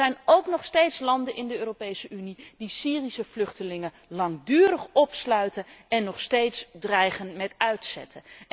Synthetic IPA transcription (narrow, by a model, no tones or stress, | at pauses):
ɛjnowknɔχstejtslɑndənʔɪndəøːrowpejsəynid̥isiːrisəvlɵχtəlɪŋə | lɑŋdyːɾəχɔpslœɥtənɛnːɔχstejtsdrɛjχənmɛtœɥtsɛ̰tʰə